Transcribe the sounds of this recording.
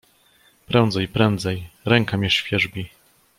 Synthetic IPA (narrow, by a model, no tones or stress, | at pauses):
pɾɛnd̪zɛjpɾɛnd̪zɛjɾɛŋkamʲjɛʂfʲjɛʐbʲi